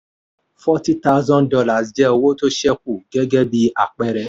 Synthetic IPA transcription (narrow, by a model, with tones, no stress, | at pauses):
fɔ˦ti˦ta˦ʊ˦zɔ̃˦ndɔ˧la˨sd͡ʒɛ˦˧wo˦to˦ʃɛ˦k̚u˦˨ɡɛ˦ɡɛ˦bi˧a̰˨k͡pɛ˦ɾɛ˧